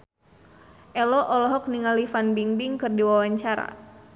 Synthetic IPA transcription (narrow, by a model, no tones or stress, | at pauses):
ʔɛlɔʔɔlɔɦɔk̚niŋalifanbiŋbiŋkɨrdiwawaɲt͡ʃaɾa̰